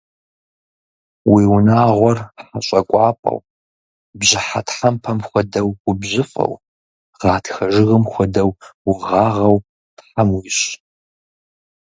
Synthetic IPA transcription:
wiːwʊnaːʁʷɔrħaɕʼɐkʷʼɑːpʼɐ̰w | bʑɪħatħampʰɐmxʷɔdɐwqʷʊbʑɪfʼɐ̰w | ʁ̥ɑːtʰxɐʒɪɣɨmxʷɔdɐwwʊʁɑːʁɐw | tħamwiɕ

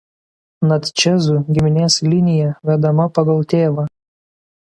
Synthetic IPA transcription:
nɐt̪ʲt͡ʃʲɛzuɡʲɪmʲɪnʲeːslʲɪnʲɪjɛʋʲɛd̪ɐmɐpɐɡɐlˠt̪ʲeːʋɐ

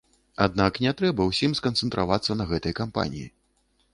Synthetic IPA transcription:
ad̪̚naknʲɛt̪ɾɛbɐwsʲimskɐnt̪sɛnt̪ɾavat̪sːɐnɐɣɛt̪ɐjɐkampa̰nʲḭjḭ

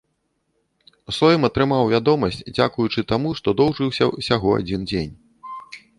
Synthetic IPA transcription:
sɔjmɐt̪ɾɨmawvʲad̪ɔmɐsʲt͡sʲd͡zʲa̰kujut͡ʂɨt̪amuʂt̪ɔd̪ɔwʐɨwsʲɐ̰sʲaɣɔa̰d͡zʲind͡zʲenʲ

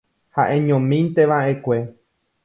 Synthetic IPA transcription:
haʔẽ̞ɲõmĩnt̪e̞ʋaʔe̞kʷe̞

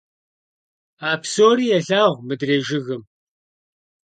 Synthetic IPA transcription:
aːpsoːɾiːjɛɬaːʁʷmɨdreːʒɪɣɨm

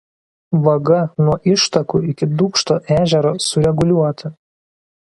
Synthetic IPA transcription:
ʋɐɡɐnuɔʔɪʃt̪ɐkuːɪkʲɪd̪uːkʃt̪oːʔæːʒʲɛɾoːsʊɾʲɛɡʊlʲuɔt̪ɐ

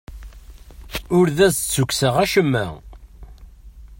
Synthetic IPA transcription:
ʊɾðæst͡sːukːsəʁæʃəmːæ̰

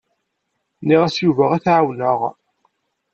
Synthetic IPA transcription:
niʁæsjuvəʁæθʕawnəʁ

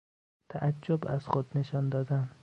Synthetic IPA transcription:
t̪ʰaʔad͡ʒːʊbaz̥xod̪neʃɒnd̪ɒːd̪an

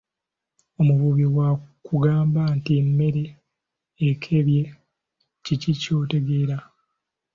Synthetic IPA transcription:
o̞muβuβiwakuɡaːmbantimːe̞ɾe̞ː | kʰeβje̞ | cicico̞ːte̞ɡe̞ːɾa

